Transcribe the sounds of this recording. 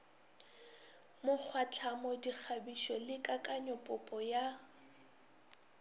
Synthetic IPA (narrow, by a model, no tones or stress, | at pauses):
mʊk͡xʰwat͡ɬʰamɔdik͡xʰabiʃɔlɪkʼakʼaɲɔpʼʊpʼɔja